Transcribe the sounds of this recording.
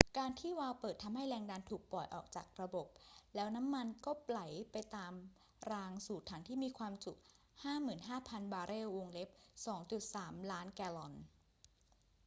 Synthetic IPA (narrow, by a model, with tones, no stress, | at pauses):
kaː˧nt̪ʰiː˥˩waː˧wpɤː˨˩t̪ʰːa˧mha˥˩jlɛː˧ŋdaː˧nt̪ʰuː˨˩k̚pɔ˨˩jʔɔː˨˩k̚t͡ɕaː˨˩k̚ɾa˧bo˨˩p̚lɛː˦˥wna˦˥mːa˧nkɔː˥˩pla˩˦jpa˧jt̪aː˧m | ɾaː˧ŋsuː˨˩t̪ʰːa˩˦ŋt̪ʰiː˥˩miː˧kʰwaː˧msu˨˩k̚ | haː˥˩mɯː˨˩nɦaː˥˩pʰa˧nbaː˧ɾeː˥˩wwo˧ŋle˦˥p̚sɔː˩˦ŋt͡ɕu˨˩t̪̚saː˩˦mlaː˦˥nkɛː˧lɔ˧n